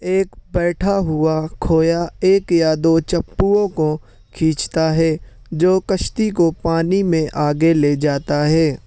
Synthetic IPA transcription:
eːkbɛːʈʰaɦʊakʰoːjaeːkjad̪oːt͡ʃɐpːuõko | kʰĩːt͡ʃt̪aɦɛː | d͡ʒoːkəʃt̪ik̬opaːnimẽʔaːɡeled͡ʒaːt̪aɦɛː

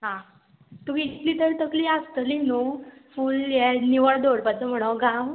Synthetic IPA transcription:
ɦã | t̪uʋiit̪liːt̪əɾt̪əkliast̪əlinufuːljɛniʋəɭd̪oɽpat͡səm̤əɽ̃oɡãw

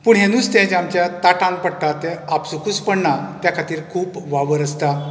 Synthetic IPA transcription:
puɳɦẽnuːst̪ɛ̃d͡ʑamt͡ɕjat̪aʈãŋ̚pəɽʈ̪at̪ɛapsukuspəɳnat̪jakʰat̪iːɾkʰuːpʋaʋəɾəst̪a

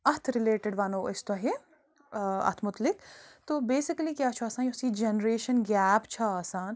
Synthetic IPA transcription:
ɐt̪ʰɾɪleːʈɪɖʋanoːʔɪst̪ɐɦe | ɐ̰t̪ʰmʊt̪lɪkt̪oːbeːsɪkəlikjaːt͡ʃʰuaːsaːnjosid͡ʒenɾeːʃənɡɛːpt͡ʃʰɐaːsaːn

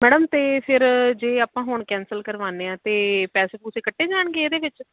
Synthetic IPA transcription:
mɛːɖəmt̪eːpʰɪɾd͡ʒeːaːpãːɦoɳkɛ̃ːnsəlkəɾʋaːneːãːt̪eːpɛːseːpʊseːkəʈʰːeːd͡ʒaːɳɡeːeːd̪eːʋɪt͡ʃ

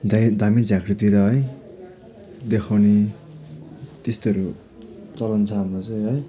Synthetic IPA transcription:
d̪ad̪ʱamid͡zakɾit̪iɾʌɦʌj | d̪ekʰawni | t̪est̪oʌɾu | t͡sʌlʌnt͡sʰaaat͡sʌjɦʌj

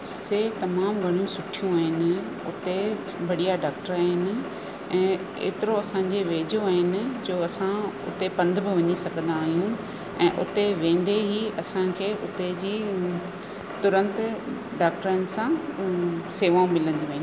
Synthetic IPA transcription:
seːt̪ɐmaːmɡʱɐɽ̃ijũsʊʈʰijũaːɦɪnɪ̆ | ʊ̰t̪e | bɐɽijaɖaːk̚ʈəɾaːɦɪnɪ̆ | ɛ̃ː | ḛːt̪ɪɾoɐsãːɲd͡ʑeʋeːd͡ʑoaːɦɪnɪ̆d͡ʑoːɐsãʊ̰t̪epɐ̃nd̪ʱbɪʋɐɲisɐɡʱə̃nd̪aːɦijũ | ɛ̰̃ːʔʊ̰t̪eʋẽːn̆d̪eɦiɐsãkʰeːʔʊt̪ed͡ʑiː | t̪ʊɾə̃nt̪ | ɖaːk̚ʈəɾənɪ̆sã | seːʋaːũmɪlə̃nd̪oaːɦɪn

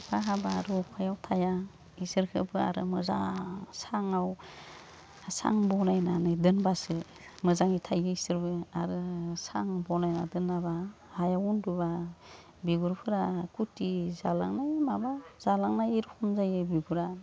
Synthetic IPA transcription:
baɦabaɾɔkʰajawtʰaja | isɯɾkʰɯbɯa̰ɾɯ̰mɯza̰saŋaw | sa̰ŋbɔnajnanɯdɯnbasɯ | mɯzaŋitʰajɯisɯɾbɯaɾɯsa̰ŋbɔnajnadɯnːaβa | hajawunduba | biɡuɾpʰɯɾakutizala̰ŋnajmabaz̥alaŋnajiɾkʰɔmzajɯbiɡuɾa

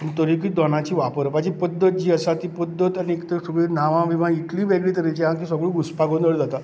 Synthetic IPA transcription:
pənit̪əɾikid̪ɔnãt͡ɕiːʋapəɾpad͡ʑipəd̪ʱːət̪̚d͡ʑiːəsat̪iːpəd̪ːət̪aniekt̪əsəɡɭiːnaʋãʋiʋãiʈlĩːʋeɡɭiːt̪əɾit͡ɕiɦãkiːsəɡɭiːɡuspaɡond̪əɭd͡zat̪a

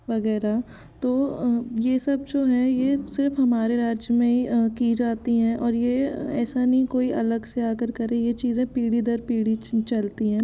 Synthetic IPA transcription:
ʋɐɣɛːɾa | t̪oːjesɐb̚d͡ʒoːɦɛjesɪɾfɦɐmaːɾeɾaːd͡ʒjmẽikid͡ʒaːt̪iɦɛ̃ːʔɔːɾjeɛːsanɐɦĩkoːiɐləɡseaːkəɾkɐɾẽjet͡ʃiːzẽpiːɽid̪əɾpiːɽit͡ʃɐlt̪iɦɛ̃ː

